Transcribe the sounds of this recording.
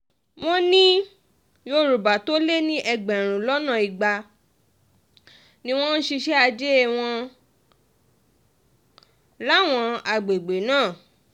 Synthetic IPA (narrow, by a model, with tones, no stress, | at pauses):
w̃ɔ̃˦nĩ˦ | jo˧ɾu˨ba˨to˦le˦nĩ˦ʔɛ˧ɡ͡bɛ˨ɾ̃ũ˨lɔ˦nã˦˨i˨ɡ͡ba˧ | nĩ˦w̃ɔ̃˦n̩˦ʃi˧ʃɛ˦a˧d͡ʒe˦ɛ˦˨w̃ɔ̃˧ | la˦˨w̃ɔ̃˧a˧ɡ͡be˨ɡ͡be˨˦nãː˦˨